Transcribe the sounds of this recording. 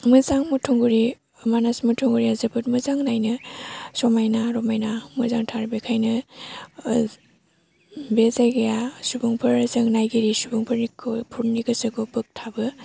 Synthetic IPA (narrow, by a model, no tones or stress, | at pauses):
mɯzaŋmutʰuŋɡuɾi | manasmutʰuŋɡuɾiazɯbɯt̚mɯzaŋnajnɯsɔmajnaɾɔmajnamɯzaŋtʰaɾbekʰajnɯ | bezajɡejasubuŋpʰɯɾzɐŋnajɡiɾisubuŋpʰɯɾnikʰpʰuɾniɡɯsɯɡɯbɯk̚tʰabɯ